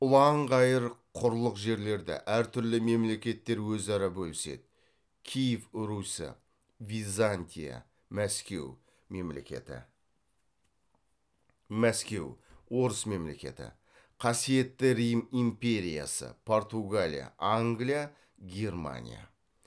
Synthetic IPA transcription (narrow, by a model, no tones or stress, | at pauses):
ʊlˠɑɴʁɑjəɾqʰʊɾlˠəqʒe̞ɾle̞ɾd̪ɪ̰ʔæɾt̪ʰʏɾlɪme̞mle̞kʲe̞t̪ːe̞ɾwɵzɑɾɑbɵlɪse̞̰d̪ɪ | kʲʰijɪfɾusə̰ | vʲizanʲt̪ʲija̰ | mæskʲe̞̰w | me̞mlḛkʲḛt̪ɪ̰ | mæskʲe̞̰wwo̞ɾəsme̞mle̞kʲe̞̰t̪ɪ̰ | qʰɑsije̞t̪ːɪɾijəmimpʲe̞ɾʲija̰sə̰pʰo̞rt̪uɡalʲḭja̰ʔaŋɡlija | ɡʲe̞rma̰nʲḭja̰